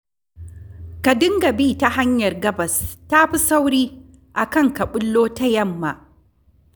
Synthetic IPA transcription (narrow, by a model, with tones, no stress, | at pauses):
ka˨dɪ˦ŋɡɐ˨biː˦ta˦ha˦ɲjɐ˨rɡɐ˦bɐ˨sta˦ɸi˦sa˦wɾiː˦ | ʔa˨kɐ˦ŋkɐ˨ɓʊ˦lːoː˦ta˦jɐ˦mːa̰˨ʔ